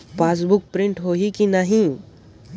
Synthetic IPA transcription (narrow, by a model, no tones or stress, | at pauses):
paːs̬bʊk̚pɾɪ̃ɳʈɦoikinaɦĩ